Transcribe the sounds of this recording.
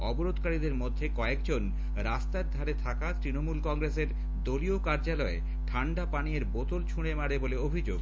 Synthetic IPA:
ɔboɾod̪ʱkaɾid̪eɾmod̪ʱːekɔekd͡ʑon | ɾast̪aɾd̪ʱaɾet̪ʰakat̪ɾinomulkɔŋɡɾeseɾ | d̪oliokaɾd͡ʑalɔe | ʈʰaɳɖapanieɾbot̪olt͡ɕʰuɽ̃emaɽeboleobʱid͡ʑo̰ɡ

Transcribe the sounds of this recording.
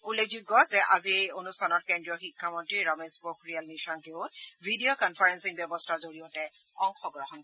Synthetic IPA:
ulːek̚ʰziɡːɔzɛʔaziɹejonustʰanɔt̚kendɹijɔxikʰːamɔntɹiɹɔmesbokɹialmiʃɔnkeʊbʱidiokɔnfʰaɹɛnsiŋbɛbɔstʰazoɹijɔtɛ | ɔŋxɔɡɹɔɦɔn

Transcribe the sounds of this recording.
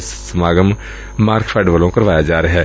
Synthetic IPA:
ssəmaːɡəm | maːɾkpʰɛːɖʋəlõkəɾʋaːjad͡ʒaːɾɐɦɛː

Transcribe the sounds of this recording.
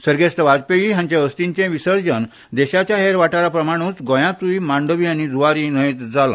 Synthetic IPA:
səɾɡest̪əʋad͡zpeʋiɦãɲt͡ɕjaəst̪iɲt͡ɕẽʋisəɾd͡ʑən | d̪eɕat͡ɕjaɦeɾʋaʈaɾapɾəmaɽ̃ũt͡sɡɔ̃jãt͡s̪uimaɳɖəʋiːañid͡zʱuaɾinəet̪d͡zalã̰

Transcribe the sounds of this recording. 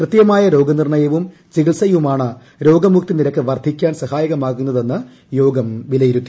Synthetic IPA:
krɨt̪jɐmaːjɐɾo̞ːɡɐnirɳɐjɐʋum | t͡ɕiɣɡiɭsɐjʋumaːɳɨ | ɾo̞ːɡɐmukt̪iniɾɐkːɨʋɐrd̪ʱikʲːaːnsɐhaːjɐɣɐmaːkːunːɐðe̞nːɨ | jo̞ːɡɐmʋilɐjiɾut̪ːi

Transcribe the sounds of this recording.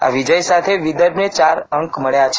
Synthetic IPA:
a̰ʋid͡ʒəjsat̪ʰeʋid̪əɾnet͡ʃaɾəŋkməɭjat͡ʃʰ

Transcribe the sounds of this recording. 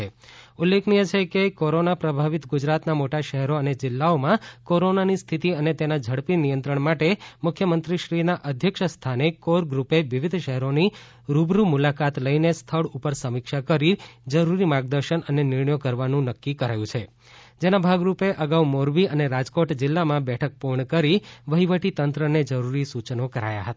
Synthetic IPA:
eulːeknijet͡ʃʰekekoɾonapɾəbʱaʋit̪ɡʊd͡ʒɾat̪namoʈaʃəɦɛɾoəned͡ʒɪlːaomãkoɾonanist̪ʰit̪iənet̪enad͡ʒʱəɽpinijə̃nt̪ɾəɳmaʈemʊkʰjəmənt̪ɾiʃɾinaʔəd̪ʱjəkʃst̪ʰanekoɾɡɾupeʋiʋid̪ʱʃəɦɛɾoni | ɾubɾumulakat̪ləinest̪ʰəɭupəɾsəmikʃakəɾid͡ʒəɾuɾimaɡd̪əɾʃənənenɪɾɳəjokəɾʋanũnəkːikəɾajũt͡ʃʰe | d͡ʒenabʱaɡɾupeʔəɡaumoɾbiəneɾad͡ʒkoʈd͡ʒɪlːamãbɛʈʰək̚puɾɳkəɾiʋəɦiʋəʈit̪ənt̪ɾəned͡ʒəɾuɾisut͡ʃnokəɾa̰ja̰ɦət̪a

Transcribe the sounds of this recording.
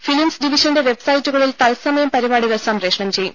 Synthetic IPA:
filimsɖiʋiɕɐnde̞ʋe̞bsɐjitːuɣɐɭilt̪ɐlsɐmɐjɐmpɐɾibaːɽiʋɐrsaːmpreːʂɳɐmt͡ɕe̞jːṵm

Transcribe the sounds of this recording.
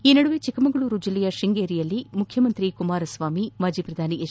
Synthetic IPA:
iːnɐɽuʋeːt͡ʃikɐmɐɡɐɭuɾud͡ʒilːɛjɐʃiŋɡeːɾijɐlːimukʰjɐmɐnt̪ɾikumaːɾɐsʋaːmimaːd͡ʒiːpɾɐd̪ʱaːniʔeː

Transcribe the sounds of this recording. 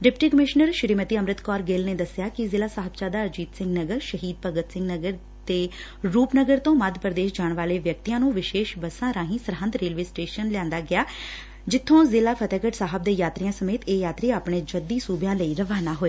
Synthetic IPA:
ɖɪpʈiːkəmɪʃnəɾʃɾiːmət̪iːəmɾɪt̪kɔːɾɡeːlneːd̪əsɪjaːkɪzɪlaːsaːɦəb̚t͡ʃaːd̪aːəd͡ʒiːt̪sɪ̃ŋɡnəɡəɾʃəɦiːd̪̚pəɡət̪sɪ̃ŋɡnəɡəɾ | t̪eː | ɾuːpnəɡəɾt̪õːməd̪ʱpəɾd̪eːʃd͡ʒaːɳʋaːleːʋjək̚t̪ijãːnũːʋɪʃeːʃbəsãːɾãːɦĩːsəɾɦə̃nd̪ɾeːlʋeːsʈeːʃənlɪãːnd̪aːɡɪaː | d͡ʒɪt̪ʰːõːzɪlaːpʰət̪ɛːkəʈsaːɦəb̚d̪eːjaːt̪ɾijãːsəmeːt̪eːjaːt̪ɾiːaːpɳeːd͡ʒəd̪iːsuːbjãːləiːɾəʋaːnaːɦoːeː

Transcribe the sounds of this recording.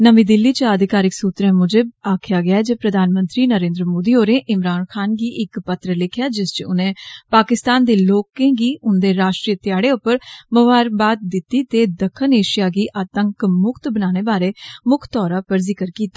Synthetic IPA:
nəʋiːd̪ɪlːiːt͡ʃəd̪ɪkaːɾɪksuːt̪ɾẽmʊd͡ʒeaːkʰɪjaːɡɪaːd͡ʒeːpɾəd̪ʱaːnmə̃nt̪ɾiːnəɾẽːnd̪ɾəmoːd̪iːoːɾẽːʔɪmɾaːnkʰaːnɡiːʔɪkpət̪ɾəlɪkʰjaːd͡ʒɪst͡ʃʊnẽːpaːkɪst̪aːnd̪eːloːkẽːɡiːʔʊnd̪eːɾaːʃʈɾijət̪ɪjaːɽeːʊpəɾməʋaːɾbaːt̪̚d̪ɪt̪ːiːt̪eːd̪əkʰːəneːʃijaːɡiːʔaːt̪əŋkmʊkʰt̪bənaːneːbaːɾeːmʊkʰt̪ɔːɾaːpəɾziːkəɾkiːt̪ḁː

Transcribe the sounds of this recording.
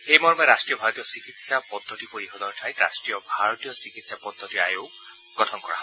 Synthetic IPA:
hejmɔɾɔmɔɾasʈɾijɔbʱaɾɔt̪ijɔsikit̪sapɔd̪ʱːɔt̪ipoɾiɦɔd̪ɔnʈʰaj̃ɾa̰sʈɾijɔbʱaɾɔt̪ijɔsikit̪sapɔd̪ʱːɔt̪ia̰jowɡ | ɡɔʈʰɔnkɔɹa̰ɦ

